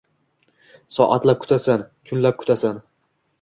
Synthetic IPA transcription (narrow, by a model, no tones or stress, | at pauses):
sɒʔat̪lap̚kʰʊ̥t̪asankʰʊnlap̚kʰʊ̥t̪ʰasan